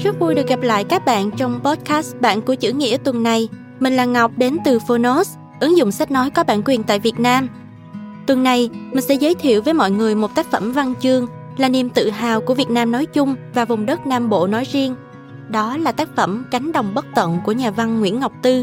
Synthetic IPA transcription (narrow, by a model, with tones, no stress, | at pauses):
zə˦˥t̚vu˧jɗɨ˨˩k̚ɣa˨˩p̚la̰ː˧˨jkaː˦˥k̚ɓa̰ː˧˨nt͡ɕɔ˧wŋ͡mpɔ˦˥t̚kaː˦˥sɓa̰ː˧˨nku˧˩t͡ɕɨ̰˧˥ŋḭ˧˥ət̪wə˨˩nːa˨˩j | mï˨˩ŋ̟laː˨˩ŋa˨˩wk͡p̚ɗe˨˦nt̪ɨ˨˩fo˧no˦˥s | ʔɨ˨˦ŋzʊ̰˧˨ŋ͡msa˦˥k̟̚nɔ˨˦jkɔ˨˦ɓa̰ː˧˨nkwi˨˩ənt̪a̰ː˧˨jvi˨˩ət̚naː˧m | t̪wə˨˩nːa˨˩jmi̟˨˩sɛ̰˧˥zəː˨˦jt̪ʰḭ˧˨əwvəː˨˦jmɔ̰˧˨jŋɨ˨˩əjmo˨˩t̚t̪aː˦˥k̚fə˧˩mva˧nt͡ɕɨ˧əŋ | laː˨˩ni˨˩mt̪ɨ̰˧˨ɦaː˨˩wku˧˩əvi˨˩ət̚naː˧mnɔ˨˦jt͡ɕʊ˧ŋ͡mvaː˨˩vʊ˨˩ŋ͡mɗə˦˥t̚naː˧mɓo̰˧˨nɔ˨˦jzi˧əŋ | ɗɔ˨˦laː˨˩t̪aː˦˥k̚fə˧˩mka˨˦ŋ̟ɗə˨˩wŋ͡mɓə˦˥t̚t̪wə̰˧˨nku˧˩əɲaː˨˩va˧nŋwḭ˧˥ənŋa˨˩wk͡p̚t̪ɨ˧